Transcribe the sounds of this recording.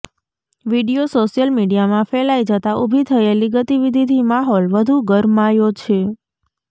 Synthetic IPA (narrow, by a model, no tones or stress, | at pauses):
ʋiɽijosoʃijəlmiɽijamãfɛlajd͡ʒət̪aʔubʱit̪ʰəeliɡət̪iʋid̪ʱid̪ʱimaɦɔlʋəd̪ʱuɡəɾmajot͡ʃʰe